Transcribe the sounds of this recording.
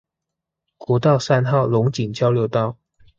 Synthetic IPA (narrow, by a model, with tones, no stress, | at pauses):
kɔ˨˥t̪ɑ˥˨ʊsa˥˧nxɑ˥˩ʊlʊ˧˥ŋt͡ɕi˨˩ŋt͡ɕjɑ˥ʊljo˧˥ʊt̪ɑ˥˩ʊ